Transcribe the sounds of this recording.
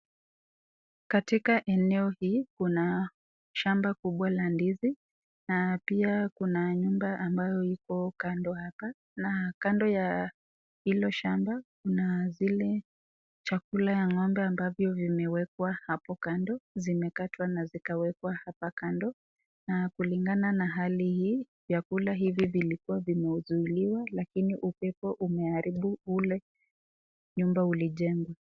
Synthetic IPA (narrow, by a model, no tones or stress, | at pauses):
katikaʔɛnɛɔhiːkuna | ʃambakuɓwalandizi | napiakunaɲumbaʔambajɔikɔkandɔhapa | nakandɔja | hilɔʃambakunazilɛ | t͡ʃakulajaŋɔmbɛambavjɔvimɛwɛk̚wahapɔkandɔzimɛkatwanazikawɛkwahapakandɔ | nakuliŋɡananaɦalihiː | vjakulaɦivivilikuwavimɛuzuiliwalakiniʔupɛpɔʔumɛaɾiɓuulɛ | ɲumbauliʄɛŋɡwa